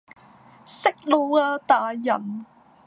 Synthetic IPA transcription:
sɪ˥k̚lo˧aː˧t̪aː˨˩jɐ˨˩n

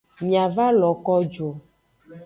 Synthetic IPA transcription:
ɲĩ˨a˨va˦lɔ˨kɔ˦d͡ʒo˨

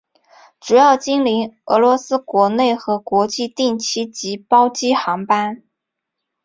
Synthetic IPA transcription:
ʈ͡ʂu˨˩jɑ˥˩ʊt͡ɕi˥nli˧˥ŋɤ˧˥lwɔ˧˥sɹ̩˥kwɔ˧˥ne˥˩ɪxɤ˧˥kwɔ˧˥t͡ɕi˥˧t̪i˥˩ŋt͡ɕʰi˥t͡ɕi˧˥pɑ˥ʊt͡ɕi˥xɑ˧˥ŋpa˥n

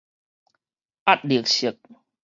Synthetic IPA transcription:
ʔa˦˥t̚li˨˩ək̚ɕi˨˩˦k̚

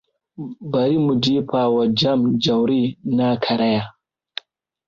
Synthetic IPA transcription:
ba˨ɾi˦mu˨d͡ʒi˦pʰa˨wa˨d͡ʒa˦md͡ʒa˨wɾi˦na˦kʰa˨ɾa˦ja˨

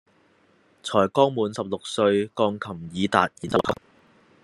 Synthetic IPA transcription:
t͡sʰɔː˨˩jkɔː˥ŋmuː˨˧nsɐ˨p̚lʊ˨k̚sɵ˧ɥkɔː˧ŋkʰɐ˨˩mjiː˨˧t̪a̰ː˨t̚iː˨˩t̪ɐ˧wt̪ʰɐ˨˩k̚

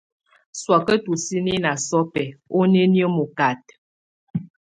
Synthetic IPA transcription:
swa˨kə˦tu˨si˦ni˦na˨sɔ˦pɛ˨o˦ne˦njə˦mo˨ka˨t̚

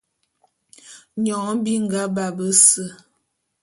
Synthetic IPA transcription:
ɲɔ˨˦ŋbi˦ŋ˨ɡa˦ba˨bə˦sə˦˨

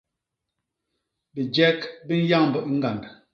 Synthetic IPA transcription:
bi˨d͡ʒɛ˦kbi˦n̩˦ja˦ŋ˨bə˨ʔi˦ŋ̩˦ɡa˨nd

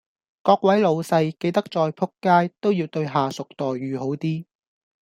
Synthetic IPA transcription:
kɔː˧k̚wɐ˨˥jlo˨˧wsɐ˧jke˧jt̪ɐ˥k̚t͡sɔː˧jpʰʊ˥kːaː˥jt̪o˥wjiː˧wt̪ɵ˧ɥɦaː˨sʊ˨k̚t̪ɔː˨˩jːyː˨ho˨˥wt̪iː˥

